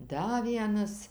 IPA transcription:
ˈdɐ ˈʋʲiɛnɐs

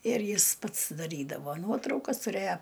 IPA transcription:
ɪr ˈjɪs ˈpɐts dɐˈrʲiːdɐʋoː ˈnuɔtrɐʊkɐs tʊˈrʲeːjoː

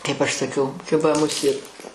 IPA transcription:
kɐɪp ˈɐʃ sɐˈkʲɛʊ ˈkʲɪbɐ mʊˈsʲeːt

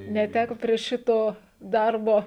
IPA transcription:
nʲɛˈtʲækoː pʲrʲiɛ ˈʃʲɪtoː ˈdɐrboː

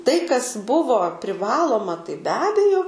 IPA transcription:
tɐɪ kɐs ˈbʊʋoː pʲrʲɪˈʋɑːlˠoːmɐ tɐɪ bʲɛ ˈɑːbʲɛjoː

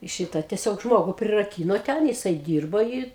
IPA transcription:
ˈʃʲiːtɐ tʲɛˈsʲoːk ˈʒmoːɡʊ pʲrʲɪrɐˈkʲiːnoː ˈtʲɛn jɪˈsɐɪ ˈdʲiːrboː ɪ

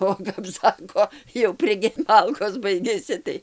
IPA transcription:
oː kɐp ˈsɑːkoː jɛʊ pʲrʲɪˈɡʲɛ ˈmɐlˠkoːs ˈbɐɪɡʲɛsʲɪ tɐɪ

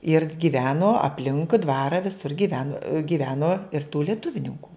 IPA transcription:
ɪr ɡʲiːˈʋʲæːnoː ɐpʲˈlʲɪŋkʊɪ ˈdʋɑːrɐ ʋʲɪˈsʊr ɡʲiːˈʋʲæːnʊ ɡʲiːˈʋʲæːnoː ɪr tuː lʲiɛˈtʊwnʲɪŋkʊ

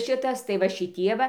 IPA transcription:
ˈʃʲɪtɐs tɐɪ ʋɐ ʃʲɪˈtʲiɛ ʋɐ

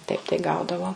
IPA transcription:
tɐɪp tɐɪ ˈɡɐʊdɐʋoː

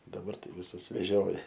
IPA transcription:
dɐˈbɐr ˈtɐɪ ʋʲɪˈsʊs ʋʲɛˈʒʲoːjɛ

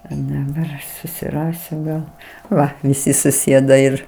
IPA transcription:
ɪ dɐˈbɐr ɐʃ sʊsʲɪˈrɑːsʲʊ ɡɐlˠ ˈʋɐ ʋʲɪˈsʲɪ sʊˈsʲeːdɐ ɪr

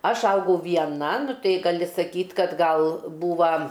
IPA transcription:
ˈɐʃ ˈɐʊɡɐʊ ʋʲiɛˈnɐ ˈnʊ ˈtɐɪ ɡɐˈlʲɪ sɐˈkʲiːtʲ kɐt ˈɡɐlˠ ˈbuːʋɐ

